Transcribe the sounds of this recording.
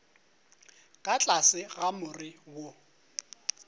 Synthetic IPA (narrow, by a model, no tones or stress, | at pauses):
kʼat͡ɬʼasɪɣamʊrɪwo